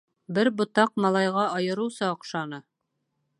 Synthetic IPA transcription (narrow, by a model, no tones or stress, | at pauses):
bɘɾbŏt̪ɑq̚mɑlˠɑjʁɑɑjɤ̆ɾɤ̆wsɑ̆ːqʃɑnɤ